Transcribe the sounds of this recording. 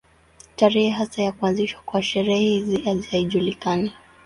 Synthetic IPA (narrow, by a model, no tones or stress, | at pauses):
taɾɛhiɦasajakuanziʃwḁkwaʃɛɾɛhɛhɛiziazihaiʄulikana